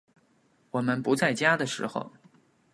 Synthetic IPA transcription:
wɔ˨˩mə˧npu˧˥t͡sa˥˩ɪt͡ɕja˥d̪ə˨ʂɻ̩̰˧˥xo̰˧ʊ

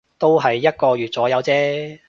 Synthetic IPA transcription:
t̪o˥wɦɐ˨jːɐ˥t̚kɔː˧ɥyː˨t̚t͡sɔː˨˥jɐ˨˧wt͡sɛː˥

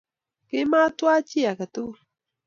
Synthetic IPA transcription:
ke˦ma˦t̪wa˦t͡ʃi˦ja˨ka˨t̪u˦

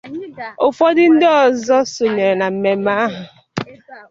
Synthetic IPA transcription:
o˨fɔ˦dɪ˦n̩˦dɔ˦ɔ˦˨zɔ˦so˨ɲe˨ɾe˨na˨m̩˨me˨ma˦ɦʊ˨

